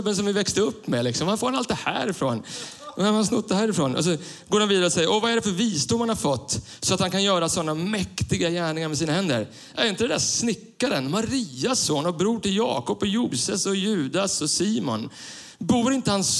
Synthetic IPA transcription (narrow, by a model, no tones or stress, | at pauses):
bːənsɔmvɪvɛkst̪əɵpːmɛlɪksɔmhanfoːɾanalt̪d̪ɛhæ̰ːɾɪfɾo̰ːnnaɾhansnʉt̪̚d̪ɛhæːɾɪfɾoːnʔɔ̰s̬ɔɡoːɾanviːd̪aɾəɔsɛjːəɾʔɔvaæɖɛfœɾviːst̪uːmhanhaɾfɔt̪ː | sɔat̪hankʰanjœːɾasɔnːamɛkt̪ɪɡajæːɳɪŋaɾmɛs̬iːnahɛnd̪əɾ | ʔæɾɪnt̪əd̪ɛd̪æsnɪkːaɾənmaɾiːasːoːnhabɾuːʈɪljɑ̰ːkɔpːɔjuːsəsɔjʉ̟ːd̪asɔsiːmɔ̰n | buːɾɪnt̪əhans